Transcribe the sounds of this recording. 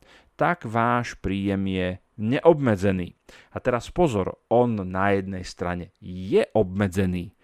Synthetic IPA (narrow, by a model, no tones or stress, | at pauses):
t̪aɡʋaːʃpɾiːjɛmjɛ | ɲɛʔɔbmɛd͡zɛnḭːat̪ɛɾaspɔzɔ̰ɾɔnːajɛd̪nɛjst̪ɾa̰ɲɛjɛʔɔbmɛd͡zɛniː